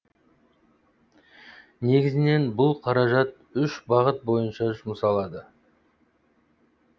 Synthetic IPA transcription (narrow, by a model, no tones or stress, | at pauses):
ne̞ɡʲɪzɪne̞nbʊlˠqʰɑɾɑʒɑt̪̚ | ʏʃbɑʁət̪̚bo̞jənʃɑʒʊməsɑlˠɑd̪ə